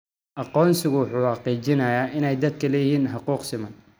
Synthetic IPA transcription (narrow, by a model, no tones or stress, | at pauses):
ʔɑqɔːnsɪɣʊwʊħuːħɑqiːt͡ʃɪnɐjaːʔɪnɛjd̪ɐd̪kʰɐlɛjɪhiːnħɑquːqsɪmɐn